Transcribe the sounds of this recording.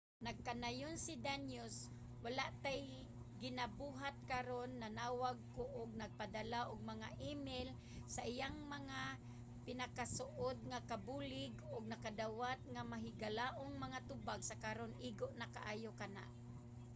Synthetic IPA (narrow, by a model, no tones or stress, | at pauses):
naɡ̚kanajʊnsɪd̪anjʊs | walaʔt̪aj | ɡɪnabuɦat̪̚kaɾonːanaːwaɡ̚koʔʊɡ̚naɡ̚pad̪alaʔʊɡ̚maŋaʔimel | saʔɪjaŋmaŋa | pɪnakasʊʔod̪̚ŋakabulɪɡʊɡ̚nakad̪awat̪̚ŋamaɦɪɡalaːʔoŋmaŋat̪ʊbaɡsakaɾonʔiːɡoʔnakaʔaːjokana̰ʔ